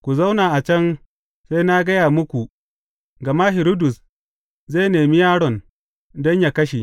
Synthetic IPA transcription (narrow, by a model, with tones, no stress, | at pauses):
kʷu˨za˦wnaː˨ʔa˨t͡ʃɐ˦n | se˦jna˦ɡɐ˦jaː˨mʊ˦kʷu˨ | ɡɐ˨ma˦ɦɪ˨ɾu˦dʊ˨s | zeː˦˨neː˨mi˦jaː˦ɽɔ˨n | dɔ˦ɲja˨kɐ˦ʃi˨